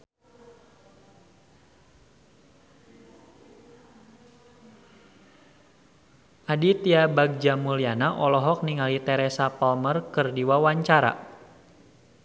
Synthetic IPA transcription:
ʔadit̪iabaɡ̚d͡ʒamulianaʔɔlɔɦɔk̚niŋalit̪ɛɾɛsapɔlmərkɨrdiwawaɲt͡ʃaɾa̰

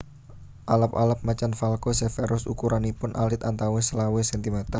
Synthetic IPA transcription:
ʔaləpa̰ləp̚mat͡ʃanfalkosefeɾʔʊsṵkuɾanipʊnʔalɪt̪ant̪awesəlawesɛnt̪imet̪a

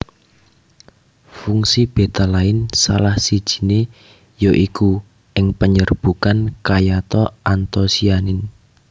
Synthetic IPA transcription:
fuŋsib̥e̤t̪alaɪnsa̰lahsid̥ʒ̥i̥̤ne | joʔiku | ʔɪŋpəɲərb̥ukankajat̪ɔant̪ɔsianɪn

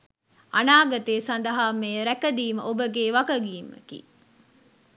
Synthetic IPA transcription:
ɐnaːɡɐt̪eːsɐnd̪ɐɦaːmeːɾækɐd̪iːmə̰ʔobəɡeːʋɐkɐɡiːmə̰kḭː

